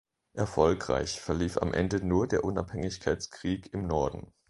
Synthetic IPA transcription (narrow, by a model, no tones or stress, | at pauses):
ʔɛɐfɔlkʁ̥a̰ɪçfɛɐliːfa̰mʔɛ̰ndənuːɐdeːɐʔʊna̰phɛŋɪçkʰaɪt͡skʁ̥iːkɪmnɔɐdn̩